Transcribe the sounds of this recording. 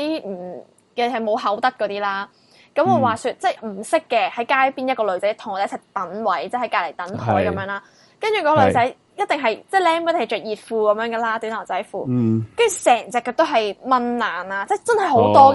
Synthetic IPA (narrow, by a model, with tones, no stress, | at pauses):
m̩˨˩ | kɛ˧ɦɐ˨jmo˨˧wɦɐ˨˥wt̪ɐ˥t̚kɔː˨˧t̪iː˥laː˥ | kɐ˨˥mɔː˨˧waː˨syː˧t̚t͡sɛ˥˩m̩˨˩sɪ˥kːɛː˧hɐ˨˥jkaː˥jpiː˥njɐ˥t̚kɔː˧lɵ˨˧ɥt͡sɐ˨˥jt̪ʰʊ˨˩ŋɔ˨˩e˨˦˥t͡sʰɛ˨˩t̪ɐ˨˥nwɐ˨˥jt͡sɛ˥hɐ˨˥jkaː˧˩le˨˩jt̪ɐ˨˥nt̪ʰɔ̰ː˨˥jkɐ˨˦mjœː˨˧ŋlaː˥ | kɐ˥nt͡ʃyː˨kɔː˥˧lɵ˨˧ɥt͡sɐ˨˥j | jɐ˥t̚t̪e˨ŋɦɐ˨jt͡sɛ˥˩lɛː˥ŋkɔ˥t̪ŋɐ˨˩t͡ʃœː˨˩k̚jiː˨˩t̚fuː˧kɐ˨˥mjœː˨˧˥ŋɡaː˨˧laː˥t̪yː˨˥nɐ˨˩t͡sɐ˨˥jfuː˧kɐ˥nt͡ʃy˨˩sɛː˨˩ŋt͡sɛ˨˧kːɔ˧t̪o˥wɦɐ˨jmɐ˧˥nlaː˨˩naː˧t͡sɛ˥˩t͡sɐ˥nhɐ˨jɦo˨˥wt̪ɔː˥